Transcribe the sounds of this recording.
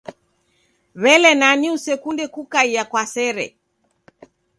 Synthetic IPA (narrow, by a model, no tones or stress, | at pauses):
βɛlɛnaniusɛkundɛkukaijakwasɛɾɛ̰